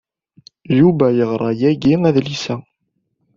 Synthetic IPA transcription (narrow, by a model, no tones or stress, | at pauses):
juvæjəʁɾˤɑjæɡiæðlisæ